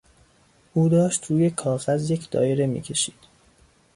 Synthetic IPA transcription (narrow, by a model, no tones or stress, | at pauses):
ʔuːd̪ɒːʃt̪ɾuːje̞kʰɒːɣæzjecʰd̪ɒ̰ːjeɾe̞mḭːcʰe̞ʃiːd̪̥